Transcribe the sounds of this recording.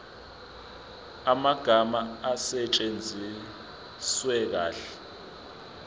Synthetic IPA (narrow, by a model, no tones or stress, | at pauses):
amaɡ̥ʱamaːsɛt͡ʃʼend͡zʱi | swɛk̬aːɬɛ̥